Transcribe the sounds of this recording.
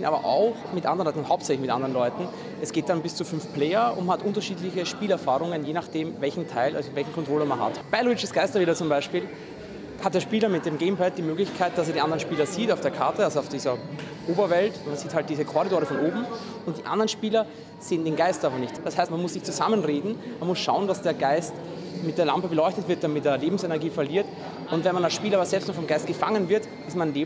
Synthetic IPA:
ɪnʔaːbɐ̰ʔa̰ʊxmɪtʔa̰ndəʁənlɔnthaʊp̚tt͡sɛçlɪçmɪtʔa̰ndəʁənlɔʏtn̩ | ʔɛsɡ̥eːt̚d̥anbɪst͡sufʏnfpleːɐʊ̰ntmnhatʔʊntɐʃiːdlɪçəʃpiːlɛɐfaːʁʊŋənjeːnaχd̥eːmvɛlçn̩tʰaɪlʔa̰ɪtvɛlçn̩kʰɔntʁ̥oːləmanɦa̰tb̥aɪlʊɪt͡ʃəsɡ̥aɪstɐveːdɐt͡sʊmbaɪʃpiːl | hat̚d̥eːɐʃpiːlɐmɪt̚d̥eːmɡeːmpɛt̚d̥iːmøːɡlɪçkʰaɪt̚d̥aseːɐdiʔandəʁənʃpiːlɐziːtaʊfd̥eːɐkʰaɐtəalzoɑʊfd̥iːzɐ | ʔoːbɐvɛltmanz̥iːthalt̚d̥iːzəkʰɔʁidoːʁəfɔnoːbm̩ | ʊnt̚d̥iːʔa̰ndʁənʃpiːlɐ | z̥eːəndeːnɡaɪstaːbɐnɪçtd̥ashaɪstmanmʊsz̥ɪçt͡suzamənʁeːdn̩manmʊsʃaʊəndasd̥eːɐɡaɪst | mɪtd̥eːɐlampəbəlɔʏçtətv̥ɪɐt̚d̥aɐmɪt̚deːɐleːbm̩sɛnɛɐɡiːfɛɐliːɐt | ʔʊntvɛnmanalsʃpiːlɐaɐszɛlpstnɔχfɔmɡ̥aɪst̚ɡ̥əfaŋənvɪɐt | ɪsmanleː

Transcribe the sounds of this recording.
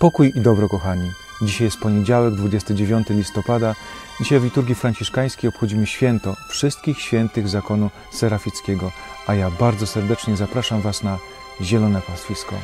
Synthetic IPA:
pɔkujid̪ɔbɾɔkɔxaɲi | d͡ʑiɕajɛst̪̚pɔɲed͡ʑawɛɡd̪vud͡ʑɛst̪ɘd͡ʑevʲjɔnt̪ɘlʲist̪ɔpad̪a | d͡ʑiɕajvlʲit̪uɾɡʲifɾaɲt͡ɕiʂkaj̃skʲejɔpxɔd͡ʑimɘɕfʲjɛnt̪ɔfʂɘst̪̚kʲixɕfʲjɛnt̪ɘɣzakɔnu | sɛɾafʲit̪skʲɛɡɔajabaɾd̪zɔsɛɾd̪ɛt͡ʂɲɛzapɾaʂamvasna | ʑɛlɔnɛpasfʲiskɔ̰

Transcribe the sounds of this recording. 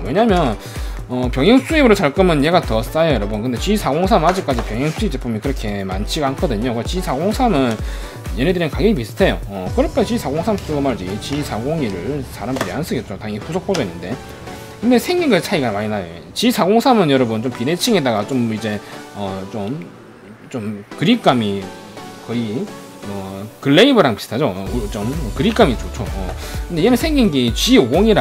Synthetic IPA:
we̞ɲamjʌn | ʌpjʌŋɦjʌŋs͈uibɯɾot͡ɕaɭk͈ɯmɯnje̞ɡatʌs͈ajojʌɾʌbunkɯnde̞t͡ɕisʰaɡoŋsʰamhad͡ʑik͈ad͡ʑipjʌŋjʌŋs͈ʰuip̚t͡ɕ͈epʰomjʌnkɯɾʌkʰe̞mant͡ɕʰiɡaɦankʰʌdɯɲokɯet͡ɕisʰaɡoŋsʰamɯn | je̞nedɯɾimenkaɡeɡimisʰɯ̥tʰe̞jo̰ʌkɯɾʌpʰet͡ɕisʰaɡoŋsʰams͈ɯɡɯmaɭd͡ʑit͡ɕisʰaɡoŋiɾɯɭsaɾamdʰɯɾians͈ɯɡet̚t͡ɕ͈otaŋipʰusʰokp͈ʰodoenːɯnde̞ | kɯnde̞sʰeŋɡiŋɡɯsʰaiɡanmaɲinajo̰et͡ɕisʰaɡoŋsʰamɯnjʌɾʌbɯnt͡ɕompine̞t͡ɕʰiŋedaɡat͡ɕomid͡ʑe̞ʌt͡ɕom | t͡ɕomkɯɾik͈ami | kʌi | ʌkɯɭːeibɯɾaŋpi̥stʰad͡ʑot͡ɕ͈omkɯɾik͈amit͡ɕot͡ɕʰo̰ʌ̰kɯndejemensʰeŋɡiŋɡit͡ɕioɡoŋiɾa

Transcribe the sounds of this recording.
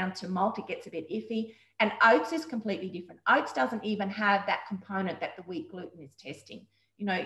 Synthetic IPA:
ʊ̃ntʰɨmʌlˠtɨt̚ɡ̥ɛtsɨbɪɾɪfi | ɨ̃noʊt̪sɨz̥kʰm̩pʰl̥iʔˡlidɪfɹɨ̃ntʔoʊt̪sd̥ʌzɨ̃ntivɨ̃nɨvðɨt̚kʰm̩pʰõʊ̃ñɨ̃nðɨt̪̚ðəwit̚ɡ̥lʉʔn̩ɨz̥tʰɛstɪ̰̃ŋ | jɨnoʊ

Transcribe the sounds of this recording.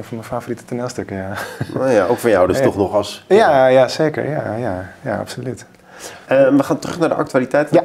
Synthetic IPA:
nfɔnməfaːforitə̥tənɛlˠstøkəjanojaʔowkfɔnjawdəsstɔχnɔχɑlˠsjajaseːkə̰ɹjajajaɑ̰psolyt | əʋəχaːntrɵχnaːɹdəʔɑ̰k̚tyaːlitɛjt

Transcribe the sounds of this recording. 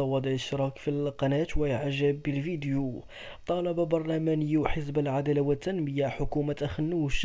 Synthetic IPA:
ɑwɑd̪əʕʃɾˤɑkfilqɑnæt̪wæjʕʒəbːəlfid̪ju | t̪ˤɑlɑbabɑɾˤlæmænəjːuwħəs̬bəlʕad̪ælawət̪ːænməjaħʊkumat̪ʔæxənːuwʃ

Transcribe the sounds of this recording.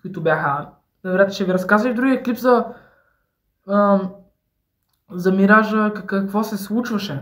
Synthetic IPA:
kʊit̪ʊbjaxə | nɐvɛɾʲjat̪əʃɛɡɐɾɐskazvəʒd̪ɾuɡʲiɛklipzɐ | zɐmiɾaʒəkkəkvɔsɛslˠut͡ʃvɐʃɛ

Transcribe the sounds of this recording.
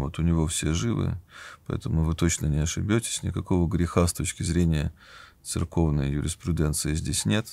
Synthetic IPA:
vo̞t̪ʊnʲɪvo̞fsʲe̞ʐɨvɨ̰pɐɛ̰t̪əmʊvɨt̪o̞t͡ɕnənʲɪɐʂɨbʲotʲɪ̥sʲnʲɪ̰kɐko̞vəɡɾʲɪxast̪o̞t͡ɕkʲɪzɾʲenʲɪjət̪sɨ̰rko̞vnəjjʊɾʲɪspɾʲʊd̪ʲɛnt̪sɨɪzʲdʲesʲnʲe̞t̪

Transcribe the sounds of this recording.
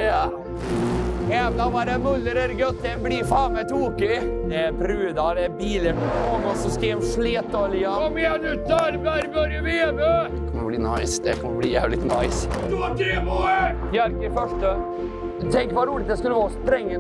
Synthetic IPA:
ɛːvənɔmɑɾɛmʊlːəɾɛɾɡœt̪ːənbliɾfɑːmɛt̪ʰuːkɪd̪ɛæɾpʰɾʉːd̪ɑd̪ɛbiːləpɔɔɡɔnsɔskeːmʂleːt̪ːɔlɪəɔmnʉt̪æɾbæɾbœɾjəbebed̪ɛkʰɔmːəbliːna̰ɪsd̪ɛ̰kʰɔmːəbliːjæːvlɪt̪na̰ɪs | jæɾkəfœʂʈə | t̪ʰɛŋkəʋɑɾuːlɪt̪̚d̪ɛskʉlːəʋɑːst̪ɾɛŋːə

